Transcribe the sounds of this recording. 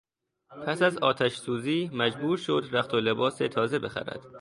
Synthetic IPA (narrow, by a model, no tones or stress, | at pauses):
pʰæsæzɒːt̪ʰæʃsuːziːmæd͡ʒbuːɾʃo̞d̪ɾæxt̪ʰolebɒːset̪ʰɒːze̞be̞xæ̰ɾæ̰d̪̥